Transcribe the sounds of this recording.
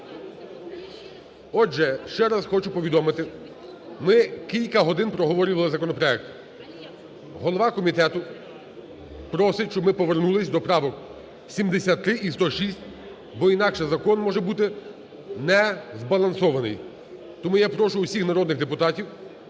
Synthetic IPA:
ɔʒɛʃt͡ʃɛɾɐsxɔt͡ʃʊpɔʋʲid̪ɔmɪt̪ɪ | mɪkʲilʲkɐɦɔd̪ɪnpɾɔɦɔʋɔɾʲʊʋɐlˠɪzɐkɔnɔpɾɔɛk̚t̪ | ɦɔlˠɔʋɑkɔmʲit̪ɛt̪ʊ | pɾɔsɪʃt͡ʃɔbmɪpɔʋernulˠɪsʲd̪ɔpɾɑʋɔk | sʲimd̪esʲat̪ːɾɪʔist̪ɔʃisʲtʲ | bɔinɑkʃɛzɐkɔnmɔʒɛbut̪ɪ | nɛzbɐlˠɐnsɔʋɐnɪ̰j | t̪ɔmujapɾɔʃʊʊsʲixnɐɾɔd̪nɪɣd̪epʊt̪ɑtʲiw

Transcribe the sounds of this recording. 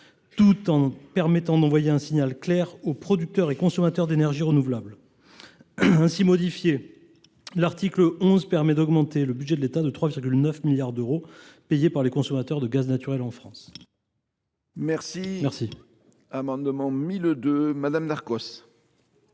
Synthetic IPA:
t̪ut̪ɑ̃pɛʁmɛt̪ɑ̃d̪ɑ̃vwajeɛ̃siɲalklɛʁopχɔd̪yk̚t̪œʁekɔ̃sɔmat̪œʁd̪enɛʁʒiʁənuvlabl | ɛ̃simɔd̪ifje | laʁt̪ikləɔ̃zpɛʁmɛd̪ɔɡmɑ̃t̪eləbyd̪ʒɛd̪əlet̪ad̪ət̪χwaviʁɡʲylnœfmiljaʁd̪øʁopejepaʁlekɔ̃sɔmat̪œʁd̪əɡaznat̪yʁɛlɑ̃fχɑ̃s | mɛʁsimɛʁsi | amɑ̃d̪mɑ̃mild̪ømad̪amd̪aʁkɔs

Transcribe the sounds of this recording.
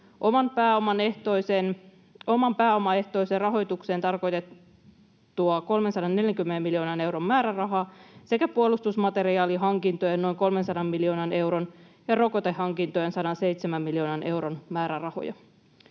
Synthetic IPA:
ʔomɑnpæːomɑneht̪ojsen | o̞mɑmpæːo̞mɑe̞ht̪o̞iserɑɦo̞jt̪ukse̞ːnt̪ɑrko̞jt̪et̪ː | uɑko̞lmensɑdɑnne̞ljæŋkymːenemːiljo̞ːnɑne̞wɾomːæːɾærɑɦɑːse̞kæpuolust̪usmɑt̪e̞ɾiɑːliɦɑŋkint̪ojeno̞jŋko̞lmensɑdɑmmiljoːnɑne̞wɾon | jɑro̞kot̪ehːɑŋkint̪ojensɑdɑnse̞jt̪semæmmiljio̞ːnɑnʔe̞wɾonmæːɾærɑho̞̰jɑ̰

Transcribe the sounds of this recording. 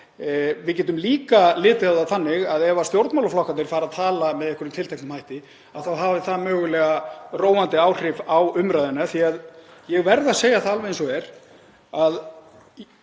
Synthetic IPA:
vɪðc̬ɛːt̪̬ʏmliːkalɪːt̪ɪaðaθanːɪɣaðɛvast̪jowɾt̪mawlaflɔhkanɪɾ̥faːɾaðt̪ʰaːlamɛðɛhkʏɾʏmt̪ʰɪlt̪ʰejknmhaːjht̪ɪ | aðθawɦavɪθamœːɣʏlɛːɣaroːwant̪ɪaːwr̥ɪvawʏmɾajðɪnːaθiaðjɛɣvɛɾðaseːjaθaðalvɛɛnsɔɣɛɾ̥ | að

